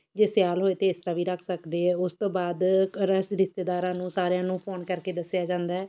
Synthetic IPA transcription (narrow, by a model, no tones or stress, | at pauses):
d͡ʒeːsjaːlɦoːeːt̪eːɪst̪ɾaːʋiːɾəkʰsəkd̪eːɦɛːʊst̪õːbaːd̪ɾəsɾɪst̪eːd̪aːɾãːnũːsaːɾejãːnũːpʰoːnkəɾkeːd̪əsjaːd͡ʒãːnd̪aːɛː